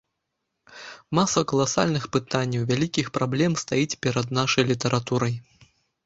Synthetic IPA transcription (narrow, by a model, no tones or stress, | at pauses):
masɐkɐlˠasa̰lʲnɨxpɨt̪anʲːɐwvʲalʲikʲixpɾablʲɛmst̪ajit͡sʲpʲɛɾɐd̪naʂɐjlʲit̪ɐɾʔat̪uɾɐj